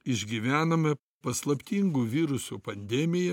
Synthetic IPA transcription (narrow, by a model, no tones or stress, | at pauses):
ɪʒʲɡʲiʋʲæːnɐmʲɐ | pɐslˠɐpʲt̪ʲiŋɡuːʋʲiːɾʊsuːpɐnʲd̪ʲɛmʲɪjɛ